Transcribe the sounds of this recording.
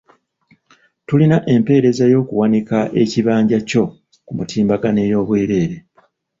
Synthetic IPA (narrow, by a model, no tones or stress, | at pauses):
tulinaʔe̞mpe̞ːɾe̞zajo̞ːkuwanikaʔe̞ciβaːɲɟaco̞ | kumutiːmbaɡane̞jo̞ːβweːɾe̞ːɾe̞